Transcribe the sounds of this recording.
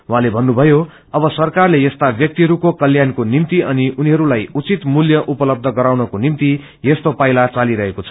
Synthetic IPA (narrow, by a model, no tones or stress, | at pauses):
wɦãlebʱʌnːubʱʌjo | ʌbʌsʌrkarlejʌst̪abjʌk̚t̪iɦʌɾukokʌljankonimt̪iʔʌniʔuniɦʌɾulajut͡sit̪muljʌʔupʌlʌb̚d̪ʱʌɡʌɾawnʌkonimt̪i | jest̪opajlat͡saliɾʌɦekot͡sʰʌ̥